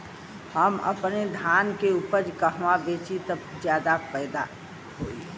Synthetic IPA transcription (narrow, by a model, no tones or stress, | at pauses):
həmə̰pned̪ʱaːnkeuːpəɾd͡ʒkəɦʋabeːt͡ʃit̪əd͡ʒjaːd̪apɛːd̪a | ɦoːi